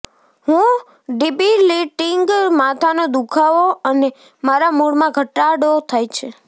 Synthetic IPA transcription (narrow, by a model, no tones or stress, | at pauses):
ɦũ | ɖibiliʈɪŋɡmat̪ʰanod̪ukʰaʋoəne | maɾamuɭmãɡʱəʈaɽot̪ʰajt͡ʃʰe